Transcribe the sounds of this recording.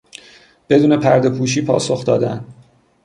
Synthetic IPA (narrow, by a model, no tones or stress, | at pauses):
b̥e̞d̪uːne̞pʰæɾd̪e̞pʰuːʃ̬iːpʰɒ̰ːso̞xd̪ɒːd̪æn